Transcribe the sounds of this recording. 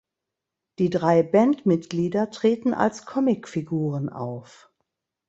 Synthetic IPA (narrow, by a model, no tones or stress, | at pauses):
d̥iːdʁaɪbɛntmɪtɡ̥liːdɐtʁ̥eːtn̩ʔa̰lskʰɔmɪkfiɡuːʁəna̰ʊf